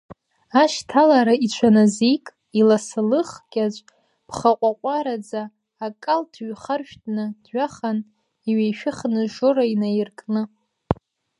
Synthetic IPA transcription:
aʃtʰalaɾait͡ɕʷʰanazikʼ | ilasalɨχɡʲʼat͡ʃʷʼ | b̥ʰχaqʷʼaqʷʼaɾad͡zaː | kʼaltʰɥχarʃᶣtʼnɨdɥaχan | iɥejʃᶣɪχnɨʒoɾainajɪrkʼnɨ

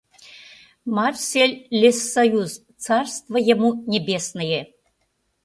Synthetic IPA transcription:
marsʲelʲlʲesːɐjuz | t͡sɑrst̪vəjɛmunʲebʲesnəje

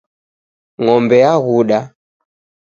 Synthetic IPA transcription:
ŋɔmbɛaɣuɗa

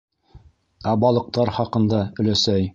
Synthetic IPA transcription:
æbɑlˠɤ̆q̚t̪ɑɾχɑqɤ̆nd̪ɑɵ̆læsæj

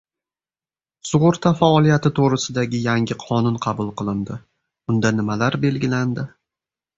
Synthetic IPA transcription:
sʊʁʊɾt̪ʰafaɒlˠijat̪ɪt̪ʰoɾɪsɪd̪aɡʲɪjaŋʲɪqʰɒnʊnqʰɑbʊlˠqʰɨlˠɪnd̪ɪ | ʊnd̪anɪmalaɾbe̞lɡʲɪland̪ɪ

